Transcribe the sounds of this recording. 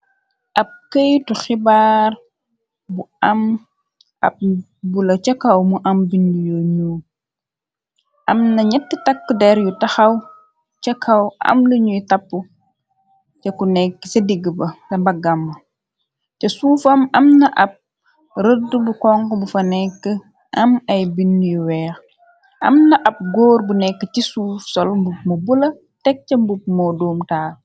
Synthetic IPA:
ʔɐp̚kəjtuxibaːɾ | buɐm | ʔɐ̰p̚ | bulɐt͡ʃɐkɐwmuʔɐmbindujoɲuː | ʔɐmnɐɲɛtːitɐkːədɛɾjutɐxɐw | t͡ʃɐkʰɐwɐ̰mluɲujtɐpːu | cɛkunɛkːə̥sɐdiɡːəbɐkɐmbɐɡɐmːɐ | cɐsuːfɐmɐmnɐʔɐp̚ | ɾədubukɔŋkəbufɐnɛkːə | ʔɐmɐjbinːjuwɛːx | ʔɐ̰mnɐʔɐp̚ɡoːrbunɛkːəcisuːfsɔlmbup̚mɐbulɐ | tɛk̚t͡ʃɐmbup̚mɔdoːmtaː

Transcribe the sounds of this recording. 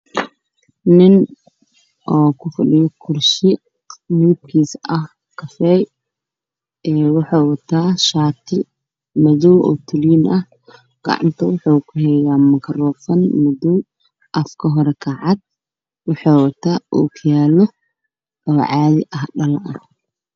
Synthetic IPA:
nɪn | ʔɔːkʰʊfɐɗɪjɔkʰʊrʃɪ | mib̚kʰiːsɐh | kʰɐfɛj | ɛːwɑħoːwɐt̪ʰaːʃaːt̪ʰɪ | mɐðɔwɔ̰ːt̪ʰʊliːnɐh | ɡ̥ɐ̰ʕɑ̰nt̪ʰɐwʊħuːkʰʊɦɛjaːmɐkʰɐrɔːfɐnmɔðɔw | ʔɐfkʰɐɦɔɾɛkʰɐʕɑd̪̥̚ | wɑħoːwɐt̪ʰaːʔṵːkʰɐjaːlɔ | ɔːʕɑːðɪʔɐɦɖɐlʔɐ

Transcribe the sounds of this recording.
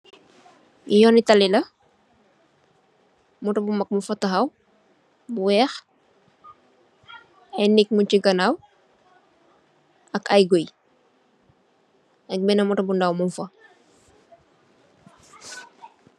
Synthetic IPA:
ijɔnitɐlilɐ | mɔtɐbumɐk̚mufɐtɐxɐw | buwɛːx | ɐjnik̚muɲciɡɐnaw | ɐkajɡoj | ɐk̚mɛnɐmɔtɐbundawmunfɐ

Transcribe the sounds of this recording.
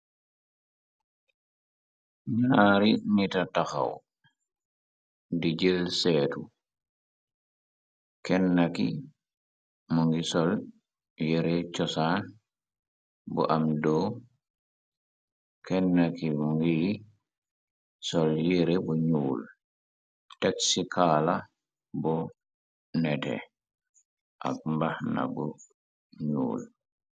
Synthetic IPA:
ɲaɾinitataxa̰w | did͡ʒelsɛːtu | kɛnːaki | mɔŋɡisɔl | jeɾɛt͡ʃɔsan | bɔ̰ʔamdɔ | kʰɛnːakimɔŋɡi | sɔljeɾɛbɔɲuːl | tɛksikʰaːla | bɔ | nɛtɛ̰ | ʔa̰k̚mbahna̰bɔ | ɲṵːl

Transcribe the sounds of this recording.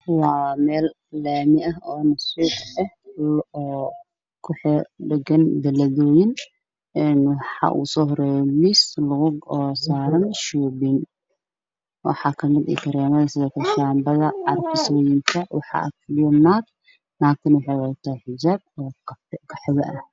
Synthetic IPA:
waːmɛːl | laːmɪʔɐɦɔːnɐsuːħʔɛhlɔː | kʰʊħɛɖɐɡɐnbɐlɐðɔːjɪn | ɛnwɑħɑ̰ʔṵːsɔːhɾɛːjɔlɪslɐɣʊɔsaːɾɐnʃuːbin | wɑ̰ħɑːkʰɐmɪd̪ɛ̰kʰɐɾɛːmɐðɐsɪðɔkʰɐʃaːmbɐðɐʕɑrkʰɪsɔːjɪŋkʰɐwɑħɑ̰ʔɐ̰klɪjɔnaːd̪ | naːk̪ʰɪnwɑħɑjwɑt̪ʰaːhħɪd͡ʒaːb̚ɔːkkʰɐħɪɣɐʔɐh

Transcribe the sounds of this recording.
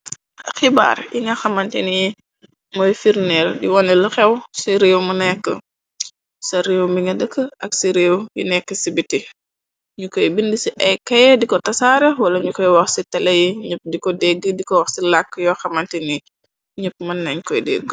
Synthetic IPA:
ɐxiba̰ːɾiŋɡɐxɐmɐntɛni | mɔːjfiɾnɛldiwɔnɛlɐxɛwsiɾewmɐnɛkːə | sɐɾewmiŋɡɐdəkːəʔɐksiɾeːwjḭnɛkːəsibitːi | ɲukɔjbindisiʔɛjkːɐjɛdikɔtɐsaːɾɛwɐlɐɲukɔjwɐxsitɐlɐjiɲəp̚ːdikɔdɛɡːədikɔwɐxsilakːjɔxɐmɐntɛni | ɲəp̚ːmɐnːɐɲkɔjdɛ̰ɡ

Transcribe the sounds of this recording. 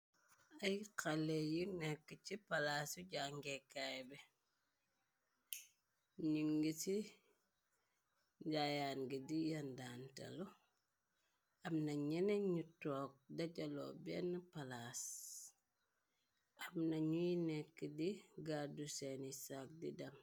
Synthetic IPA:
ɐjkʰɐlejunɛkːəcipɐlaːsuɟaŋɡɛkːajbɛ | ɲuŋɡiti | ɟajaːnɡidijɐndaːntɐ̰lɔ | ɐmnɐɲɛnɛɲutɔːk̚dɐɟɐlɔ̰bɛːnɐpalas | ɐmnɐɲujinɛkːədiɡadusɛnisak̚didɐm

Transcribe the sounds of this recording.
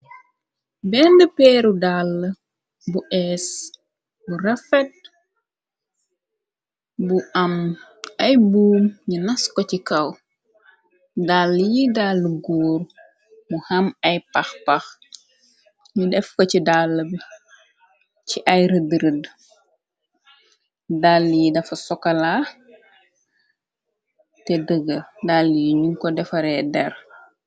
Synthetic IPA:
bɛndəpɛːɾudalːə | buʔɛːs | burɐfɛt̚ | buʔɐmɐjbuːmɲunɐskɔcikɐw | dalːjidalːəɡuːɾ | muhɐmɐjpɐxpax | ɲudɛfkɔcidalːəbi | ciʔɐjɾədəɾəd | dalːjidɐfɐsɔkːɐla | tɛdəɡədalːjiɲuŋkɔdɛfɐɾɛdɛr

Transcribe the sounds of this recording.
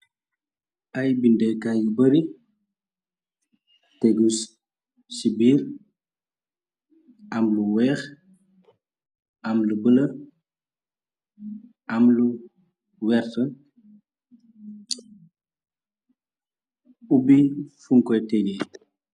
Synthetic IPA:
ʔɐjbindɛkajubəɾi | tɛɡus | sibiːɾ | ɐmluwɛːx | ʔɐmlubəlɐ | ɐmlu | wɛɾtə | ubifuŋkɔjtɛɡɛ

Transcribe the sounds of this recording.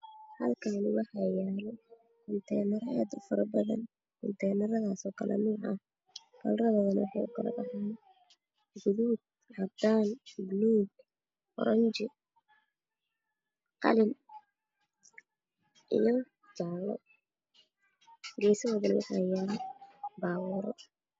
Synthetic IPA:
hɐlkʰanɪwɑħɑjaːlɛ | kʰʊnt̪ʰɛːnɐɾɛd̪ʊfɐɾɐbɐðɐ̰n | kʊnt̪ʰɛːnɐɾɐðaːsɔːkʰɐlʔɛ̰nuːʕɐ̰h | kɐlrɐβɐðɐnwɑħaːʊ̰kʰɐlɐ̰bɑħan | ɡʊðuːd̪̚ | hɐd̪aːnbniːn | ʔɔ̰ɾɐɲt͡ʃɪ | qɑ̰lɪn | ʔḭjɔ | t͡ʃaːlɔ̰ | ɡɛːsɐwɔðɐnwɑħajaːlbaːwʊɾɔ

